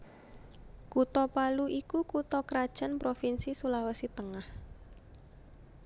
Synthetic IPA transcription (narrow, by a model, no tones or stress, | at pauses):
kut̪ɔpaluʔikukut̪ɔkɾad̥ʒ̥a̤npɾofinsisulawəsit̪əŋah